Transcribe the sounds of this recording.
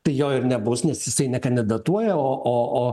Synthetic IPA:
t̪ɐɪjoːɪɾnʲɛbʊsnʲɛsjɪsɐɪnʲɛkɐnd̪ʲɪd̪ɐt̪uɔjɛoːʔoːʔoː

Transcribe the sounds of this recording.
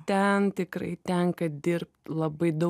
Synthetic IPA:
t̪ʲɛnt̪ʲɪkɾɐ̰ɪt̪ʲɛŋkɐd̪ʲɪɾp̚t̪lˠɐbɐɪd̪ɐ

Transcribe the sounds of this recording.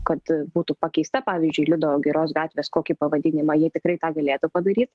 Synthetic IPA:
kɐt̪buːt̪upɑkʲɛɪst̪ɐpɑːʋʲiːzʲd͡ʒʲʊɪlʲʊd̪oɡʲɪɾoːsɡɑːt̪ʲʋʲeːskoːkʲɪpɐʋɐd̪ʲɪnʲɪmɐjiɛt̪ʲɪkɾɐɪt̪ɑːɡɐlʲeːt̪ʊpɐd̪ɐɾʲiːt̪

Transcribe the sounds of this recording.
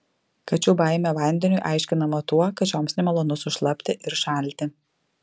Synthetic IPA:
kɐt͡ʃʲubɑˑɪmʲoʋɐˑnʲd̪ʲɛnʲʊɪʔɑˑɪʃʲkʲɪnɐmot̪uɔkɐt̪t͡ʃʲoːmsnʲɛmʲɛlˠoːnʊsʊʃlˠɐpʲt̪ʲɪʔɪɾʃɑˑlʲt̪ʲɪ

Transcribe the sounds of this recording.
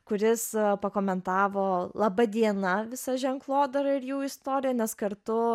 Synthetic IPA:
kʊɾʲɪspɐkoːmʲɛnt̪ɑːʋoːlˠɐbɐd̪ʲiɛnɐʋʲɪsɐʒʲɛŋklˠoːd̪ɐɾɐɪɾjuːɪst̪oːɾʲɪjɛnʲɛskɐɾt̪ʊ

